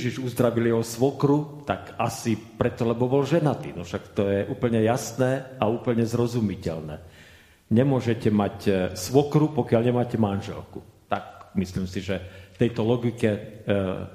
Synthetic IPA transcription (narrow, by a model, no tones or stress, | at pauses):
jɛʒiʒuzd̪ɾaʋiljɛɦɔsʋɔkɾut̪akasipɾɛt̪ːɔlɛbɔbɔlʒɛnat̪inɔfʃakt̪ɔjɛʔuːpl̩ɲɛjasnɛːauːpl̩ɲɛzɾɔzumicɛlnɛ̰ː | ɲɛmʊɔʒɛcɛmacsʋɔkɾupɔkɪaʎɲɛmaːcɛmanʒɛ̰lkut̪ak̚misliːmsiʒɛft̪ɛjt̪ɔlɔɡikɛ